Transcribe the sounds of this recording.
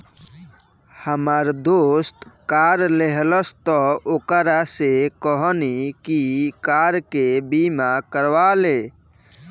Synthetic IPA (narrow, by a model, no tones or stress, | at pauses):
həmaɾd̪oːst̪kaɾleɦləst̪ɔoːkəɾasekɔɦɔnikikaɾkebimakəɾʋale